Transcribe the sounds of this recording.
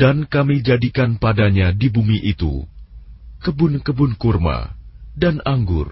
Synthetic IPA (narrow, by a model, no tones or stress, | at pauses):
dankamid͡ʒadikanpadaɲadibumiʔit̪ṵ | kəbʊnkəbʊnkurma̰danaŋɡʊr